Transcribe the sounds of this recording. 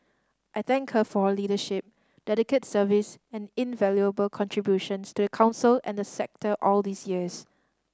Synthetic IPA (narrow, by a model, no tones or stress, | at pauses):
ʔajθɛ̃ŋkhəfɔliːdəʃɪp̚ | d̥ɛɾɪkətsəvɪsɛ̃nɪ̃nvɛljuəbəlkʰɔ̃ntʰɹ̥ibjuʃə̃nstudəkʰãʊ̃nsəlɛ̰̃ndəsɛk̚təʔɔldisjiəs